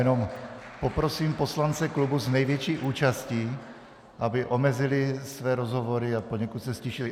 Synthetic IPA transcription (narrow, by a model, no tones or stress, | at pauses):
ɛnompo̞pɾosiːmpo̞slant͡sɛklubuznɛjvjɛt͡ʃiːʔuːt͡ʃasciː | ʔabɪʔo̞mɛzɪlɪsvɛːɾozɦovo̞ɾɪapoɲɛkut̪sɛscɛʃɪlɪ